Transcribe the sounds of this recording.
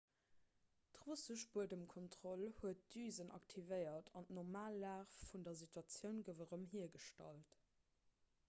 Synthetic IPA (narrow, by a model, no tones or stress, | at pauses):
tʁusəʃbuədəmkʰɔntʁ̥olhuət̚d̥yːzənʔɑ̰ktʰivəɪɐtʰɑntnɔʁmaːlːaːfːundɐzitwɑt͡sjəʊnɡəvəʁəmɦiːɐɡəʃtɑ̰lt